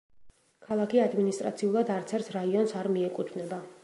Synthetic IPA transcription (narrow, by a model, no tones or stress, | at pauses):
kʰalˠakʰiad̪minist̪ʼɾa̰t̪sʰiulˠad̪aɾt̪sʰɛɾt̪ʰɾaiɔnsaɾmiɛkʼut̪ʰvnɛba